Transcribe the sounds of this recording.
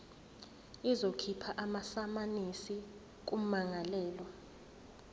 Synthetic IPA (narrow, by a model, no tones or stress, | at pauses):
izokʰipʰaʔamasamanisi | k̬um̩maŋalɛːlwa